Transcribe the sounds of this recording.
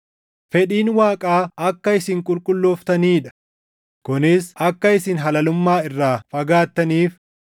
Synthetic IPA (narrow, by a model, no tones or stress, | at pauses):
fɛᶑiːnwaːkʼaːɐkːɐɪsɪŋkʼʊlkʼʊlːɔːft̪ɐniːᶑɐ̥ | kʊnɪsɐkːɐɪsɪnɦɐlɐlʊmːaːɪrːaːfɐɡaːt̪ːɐniːf